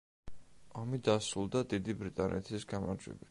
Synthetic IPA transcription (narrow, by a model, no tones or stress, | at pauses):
ɔmid̪asɾulˠd̪ad̪id̪ibɾit̪ʼanʔɛ̰t̪ʰisɡamaɾd͡ʒwɛ̰bit̪